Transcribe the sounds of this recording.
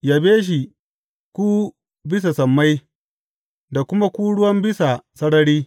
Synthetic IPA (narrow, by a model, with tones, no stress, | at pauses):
jaː˨beː˦ʃ̬i˨ | kʷu˦ | bɪ˦s̬a˨sɐ˨mːa˦j | da˨kʷʊ˦ma˦kʷuː˦ɽʊ˦wɐ˦mbɪ˦sa˨sɐ˦ɽɐ˦ɽiː˦